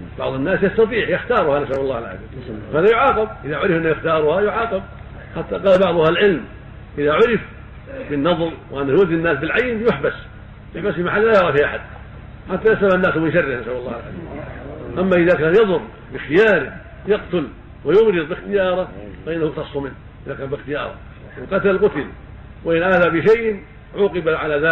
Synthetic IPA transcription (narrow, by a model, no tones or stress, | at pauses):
bɑʕðˤɨnːaːsjɑst̪ɑt̪ˤiːʕjɪxt̪ɑːɾˤʊhanasʔawɑlːɑːhalʕa̰ziːmhaːðajʊʕɑːqɑb̚ʔɪðaʕʊɾɪfʔɪnːajɪxt̪ɑːɾˤʊhajʊʕɑːqɑb̚ | ħat̪ːaqɑːlbɑʕðˤʊhalʕɪlm | ʔɪðaʕʊɾɪf | bɪnːɑðˤlwʔanːahjʊwad̪ːinːaːsbɪlʕajnjʊħbas | jʊħbasbɪmaħalːlajɑʕɾˤɑfiʔaħad̪̥ | ħat̪ːajaslamanːaːsmɪnʃarːɪhnɪsʔalɑlːɑːhalʕa̰lḭːmʔamːaʔɪðakaːnjɑðˤʊɾ | bɪxɪjaːɾɪ | jɑqt̪ʊl | wɪjʊmɾɨðˤbɪxt̪ɪjɑːɾˤɑfaʔɪnːahʊqt̪ɑsˤːʊmɪnːh | ʔɪðakaːnbɪxt̪ɪjɑ̰ːɾˤɑ̰ | ʔɪnqɑt̪allqʊt̪ɪl | wɪʔɪnʔaːðabɪʃajʔ | ʕuːqɪbaʕalaðaː